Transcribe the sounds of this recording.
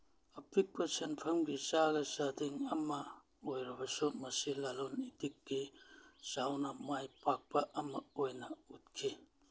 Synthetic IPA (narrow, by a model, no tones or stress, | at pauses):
ɐpʰik̚pɐsenpʰɐmɡisaɡɐsadiŋɐmɐ | ojɾɐbɐsumɐsilalonitikːisawnɐmajpak̚pɐʔɐmɐojnɐut̚kʰi